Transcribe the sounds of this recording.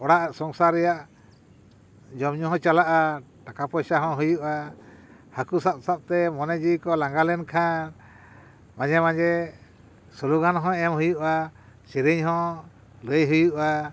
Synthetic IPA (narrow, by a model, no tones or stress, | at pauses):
ɔɽaʔsɔŋsaɾɛjaʔ | d͡ʒɔmɲuɦɔ̃t͡ʃalaʔa | ʈakapɔjsaɦɔ̃ɦujuʔa | hakusap̚sap̚t̪ɛmɔnɛd͡ʒikɔlaŋɡalɛnkʰan | mãd͡ʒɛmãd͡ʒɛ | sɔluɡanɦɔ̃ɛmɦujuʔa | siɾiɲɦɔ̃ | ləjɦujuʔa